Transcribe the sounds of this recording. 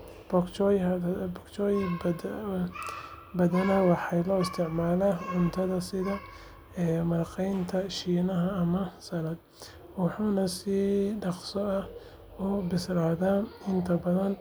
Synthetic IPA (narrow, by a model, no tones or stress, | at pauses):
b̥ɔkt͡ʃɔjbɔkt͡ʃɔːj | bɐðɐnɐwɑħɑjlɔːɪst̪ʰɪʕmaːlaʕʊnt̪ʰɐðɐsɪðɐ | ɛːmɐrqɛjnt̪ʰɐʃiːnɐɦɐːmɐsɐlɐd̪ | wɑħuːnɐsiːɖɑqsɔɐh | ʊbɪslaːðaɪnt̪ʰɐbɐðɐn